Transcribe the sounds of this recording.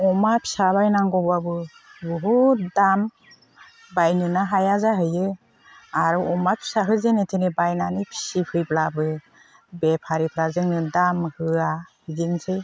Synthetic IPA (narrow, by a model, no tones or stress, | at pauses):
ɔmapʰi̥sabajnaŋɡɔbabɯ | buɦudam | bajnɯnaɦajazaɦɯjɯ | aɾuɔmapʰi̥saɦɯzenetʰenebajnanɯpʰi̥sipʰɯjblabɯ | bepʰaɾipʰɾazɯŋnɯdamhɯahɯziŋsʰɯj